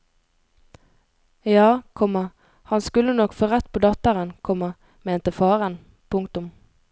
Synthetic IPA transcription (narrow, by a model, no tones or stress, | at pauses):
jɑːkʰɔmə | hɑnskʉlːənɔkfɔʁɛt̪pʰoːd̪ɑt̪əʁənkʰɔmə | meːnt̪əfɑːʁən | pʰʊŋkt̪ʊm